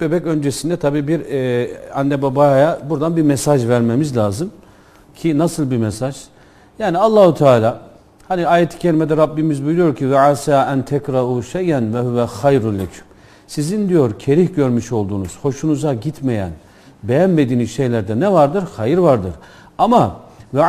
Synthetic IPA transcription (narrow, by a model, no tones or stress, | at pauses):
bebɛcø̞nd͡ʒesind̪ɛt̪ʰabiːbiɾ | anːɛbabajabuɾd̪anbimɛsaʒvæɾmemizlʲaːzɯm | cʰinasɯlˠbimɛsaʒ̥ | jaːnialˠːaːhut̪ʰaːlʲaː | haniaːjet̪ʰi̥cʰelʲimɛd̪ɛɾabːimizbujlujo̞ɾcʰivaʕasaːʔænt̪ʰɛkɾaʔuːʃejænvɛɦyvɛxajɾulːecʰy̥m | sizind̪ijo̞ɾcʰe̞ɾihɟøɾmyʃo̞lˠd̪uːnuz̥ho̞ʃunuzaɟit̪ʰmejæ̰n | bejænme̞d̪iːnizʃe̞jlʲæɾd̪ɛnɛvaɾd̪ɯɾxajiɾvaɾd̪ɯɾ̥ | amava